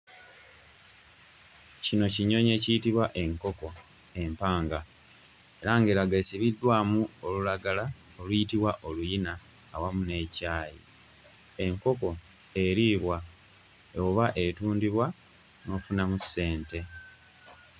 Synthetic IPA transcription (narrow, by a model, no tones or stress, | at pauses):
cino̞ciɲo̞ɲe̞ːcijitiβwaʔe̞ŋko̞ko̞ | e̞mpaːŋɡa | e̞ɾaŋɡeɾaɡesiβidːwaːmuo̞lulaɡala | olujitiβwaʔo̞lujinaː | wamune̞caːjḭ | e̞ŋko̞ko̞ | e̞ɾiːβwa | oβaʔe̞tuːndiβwa | no̞ːfunamuse̞ːnte̞